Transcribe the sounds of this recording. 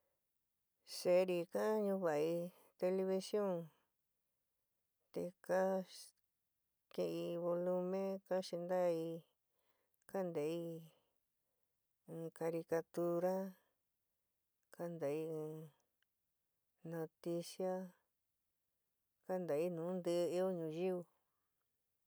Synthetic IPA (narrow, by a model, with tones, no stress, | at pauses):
se˧˦˧ɾi˧ka˦ɲũ˧βa˨i˧ | t̪e˧li˧βi˧sjõ˦ŋ | t̪e˧ka˦ | kẽ˧i˧βo˧lu˧mẽ˦ka˦ʃi˧nd̪a˦˧i˧ | ka˦nd̪a˨i˧˦ | ɨ̃ː˧ka˧ɾi˧ka˧t̪u˧ɾa˦ | ka˦nd̪a˨i˧ɨ̃˧ | nõ˧t̪i˧sja˦ | ka˦nd̪a˨i˧nũː˨˦nd̪ɨ˧i˦o˦ɲũ˧ji˦u˧